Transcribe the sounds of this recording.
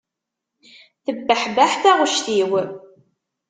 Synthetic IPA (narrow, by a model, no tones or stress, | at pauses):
θəbːəħbaħθaʁəʃθiw